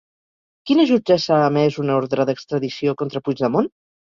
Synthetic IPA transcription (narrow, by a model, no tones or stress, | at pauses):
kinəʒud͡ʒɛsaːmɛzunoɾðɾəðəkst̪ɾəðisiokont̪ɾəpuzðəmon